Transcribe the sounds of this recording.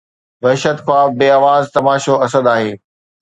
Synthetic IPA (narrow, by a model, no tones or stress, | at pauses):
ʋɐɦɪʃət̪kʰaːbeːaːʋaːzt̪ɐmaːʃoɐsəd̪aːɦeː